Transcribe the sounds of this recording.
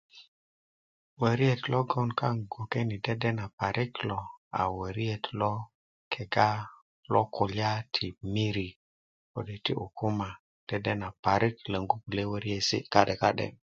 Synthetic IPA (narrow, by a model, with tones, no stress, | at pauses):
wə˨ɾi˦e˨t̪lo˦ɡo˦nka˦ŋɡo˨ke˦ni˨de˦de˦na˨pa˨ɾi˦klo˨a̰˨wə˨ɾi˦e˨t̪lɔ˦ | kʰe˨ɡa˦ | lo˦ko˨lja˦tʰi˨mi˦ɾi˨ | ko̰˨de˨ti˦u˨ku˦ma˨ | d̥e˦de˦na˨pa˨ɾi˦klə˨ŋɡu˦pu˨le˦wə˦ɾi˦e˨sḭ˦ka˦ɗe˨ka˦ɗḛ˨